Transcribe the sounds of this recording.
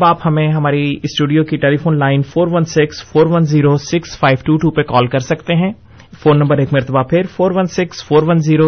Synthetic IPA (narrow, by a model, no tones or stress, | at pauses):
baːphɐmẽɦɐmaːɾiɪsʈuːɖijokiʈeːlifoːnlaːɪnfoːɾʋɐnsɪksfoːɾʋɐnziːɾosɪksfaːɪʋʈuːʈuːpekɔːlkɐɾsɐkt̪eɦɛ̃ː | foːnːɐ̃mbəɾeːkmɐɾt̪əbapʰɪɾfoːɾʋɐnsɪksfoːɾʋɐnziːɾo